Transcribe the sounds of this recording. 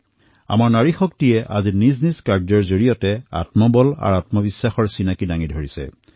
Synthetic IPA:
a̰maɹnaɹixɔktijɛʔa̰zinizniskaɹdzɔɹzoɹijɔtɛa̰tmɔbɔla̰ɹatmɔbisːaxɔɹsinakidaŋidʱoɹisɛ̰

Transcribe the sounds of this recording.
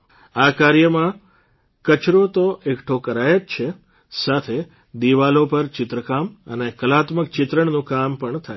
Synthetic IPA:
akaɾjəmã | kət͡ʃɾot̪oʔekʈʰokəɾajət̪t͡ʃʰe | sat̪ʰe | d̪iʋalopəɾt͡ʃɪt̪ɾəkamə̰nekəlat̪mək̚t͡ʃɪt̪ɾəɳnũkampəɳt̪ʰae

